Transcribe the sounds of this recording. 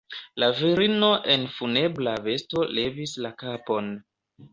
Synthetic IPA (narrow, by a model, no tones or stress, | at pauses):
laviɾino̞ʔe̞nfune̞blave̞sto̞le̞vislakapo̞n